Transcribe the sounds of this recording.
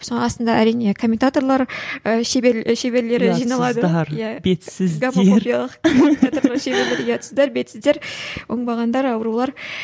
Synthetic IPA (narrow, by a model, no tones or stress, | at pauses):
sonɑst̪ənd̪ɑæɾijne̞kʰo̞mʲːent̪at̪o̞ɾlˠɑɾəʃebeʃeβe̞ɾle̞ɾɪʒijnɑlˠɑd̪əɾjæbet̪sɪzɡap̪eoɾpijalˠəqkonat̪o̞ɾlˠəʃe̞ble̞ɾleɾɪjɑt̪ə̥səzd̪ɑɾbe̞t̪sɪzd̪e̞ɾwo̞ɴbɑʁɑnd̪ɑɾɑwəɾulˠɑɾ